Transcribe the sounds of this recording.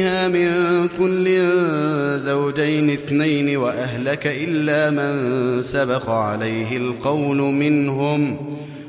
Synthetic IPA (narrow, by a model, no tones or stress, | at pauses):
haːmɪnkʊlːɪ | zawd͡ʒajnɪθnajnɪwaʔaɦlakaʔɪlːaːmansabɑqɑʕalajɦɪlqɑwlʊmɪnɦʊm